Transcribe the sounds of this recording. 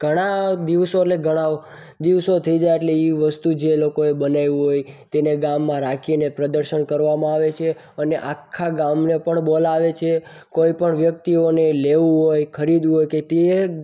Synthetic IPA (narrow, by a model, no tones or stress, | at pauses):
ɡ̥ʱəɽ̃ad̪iʋsoeʈleɡʱəɽ̃a | d̪iʋsot̪ʰəid͡ʒajeʈleiʋəst̪ud͡ʒelokoebənajũɦojt̪eneɡamːãɾakʰinepɾəd̪əɾʃənkəɾʋamãaʋet͡ʃʰe | əneʔakʰːaɡamnepəɳbolaʋet͡ʃʰe | koipəɳʋjək̚t̪ioneleʋũɦojkʰəɾid̪ũɦojket̪e